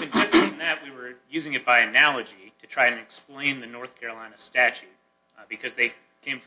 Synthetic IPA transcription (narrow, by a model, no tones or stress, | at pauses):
ɨ̃nsɪɨ̃nðɨt̚wiwə˞jʉzɪ̃ŋɨt̚b̥aɪɨnælˠəd͡ʒiɾɨtʰɹ̥aɪɨ̃nɨksplẽɪ̃nðɨnɔɹθkʰɛɹɨlãɪ̃nɨstæt͡ʃʉt̚ | bɨkʰʌzðeɪ | kʰẽɪ̃ɱf